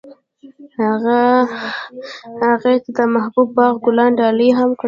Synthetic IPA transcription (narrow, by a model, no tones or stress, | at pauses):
ha | haɣet̪d̪əmahbub̚bɑɣɡʊlɑnɖɑləɦamkɽ